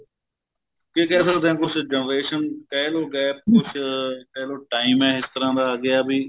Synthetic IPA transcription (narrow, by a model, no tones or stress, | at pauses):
keːkɛːs̬ət̪ɛ̃ːkʊt͡ʃʰd͡ʒənɾeːʃənkɛːloːɡɛːp̚kʊt͡ʃʰkɛːloːʈaːɪmɛ̃ːɪst̪əɾãːd̪aːɡɪjaːbʱiː